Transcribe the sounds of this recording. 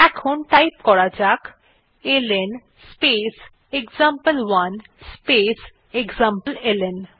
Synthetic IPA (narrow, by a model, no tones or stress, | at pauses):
ɛkʰonʈajpkɔɽad͡ʑak | elen | spes | ekzampəlwan | spes | eɡzampəlelen